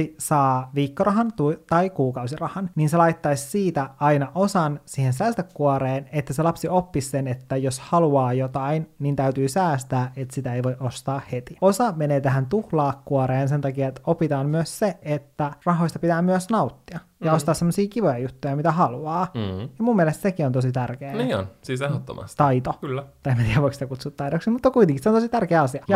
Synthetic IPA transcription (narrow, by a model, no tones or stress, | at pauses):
isɑːʋiːkːorɑɦɑnt̪ut̪ɑikuːkɑwsirɑhɑnniːnselɑit̪ːɑissiːt̪æɑinɑʔosɑnsiːhensæːst̪ækːuoɾeːnet̪ːæselɑpsiopːisːenet̪ːæjoshɑluɑːjot̪ɑinniːnt̪æyt̪yːsæːst̪æːʔet̪sit̪æejʋo̞iʔost̪ɑːhhet̪io̞sɑmeneːt̪æɦænt̪uhlɑːkːuɑɾeːns̬ent̪ɑkiɑet̪opit̪ɑːmmyøsseet̪ːærɑɦoist̪ɑ̥pit̪æːmyøsnɑut̪ːiɑjɑost̪ɑːssemːosiːkiʋojɑjut̪ːujɑmit̪æhɑluɑːjɑmumːiɛlest̪sekiont̪osit̪ærkeːniːo̰nsiːsehot̪ːo̰mɑ̰st̪t̪ɑit̪okylːt̪ɑemːæt̪iːæoiksit̪ækut̪sut̪ːɑidoksimut̪ːɑkuit̪ẽŋkiseont̪oit̪ærkeːɑsiɑjɑ